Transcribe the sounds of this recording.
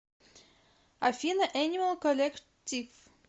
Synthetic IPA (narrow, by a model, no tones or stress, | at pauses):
afʲinəʔænʲiməlˠkolʲek | tʲif